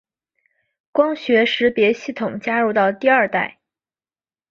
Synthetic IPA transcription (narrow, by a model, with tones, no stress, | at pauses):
kwɑ˥ŋɕɥɛ˧˥ʂɻ̩˧˥pjɛ˧˥ɕi˥˩t̪ʰʊ˨˩˦ŋt͡ɕja˥ɻu˧˥t̪ɑ˥˧ʊt̪i˥˧ɐ˞˥˧t̪a˥˩ɪ